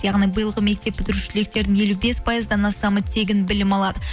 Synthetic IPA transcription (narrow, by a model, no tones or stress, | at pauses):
jɑʁnijbəjəlˠʁəme̞k̚t̪e̞ppːɪt̪ɪɾɪʃɪle̞k̚t̪e̞ɾd̪ɪŋje̞lube̞spʰɑjəzd̪ɑnɑst̪ɑmət̪ʰe̞ɡʲɪnbɪlɪmɑlˠɑd̪ə